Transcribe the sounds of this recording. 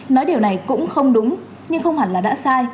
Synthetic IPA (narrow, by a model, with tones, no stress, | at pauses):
nɔ˨˦jɗi˨˩əwna˨˩jkʊ̰˧˥ŋ͡mxə˧wŋ͡mɗʊ˨˦ŋ͡m | ɲɨ˧ŋxə˧wŋ͡mha˨˩laː˨˩ɗa̰ː˧˥saː˧j